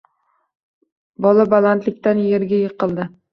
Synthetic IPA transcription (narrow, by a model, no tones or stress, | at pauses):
bɒlabalant̪lɪk̚ʲt̪anjeɾɡʲajeqɨlˠd̪ɪ